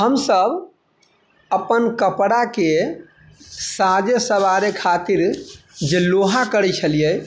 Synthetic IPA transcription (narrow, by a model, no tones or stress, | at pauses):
ɦəmsəb | əpənkəpɽake | sad͡ʒəsəβaɾekʰat̪iɾd͡ʒeloɦakəɾɛt͡ʃʰəlijɛ